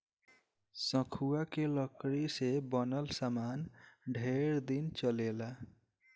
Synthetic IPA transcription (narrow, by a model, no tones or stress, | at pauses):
sə̃kʰuakeləkɾisebənəlsamanɖʱeɾd̪int͡ʃəlela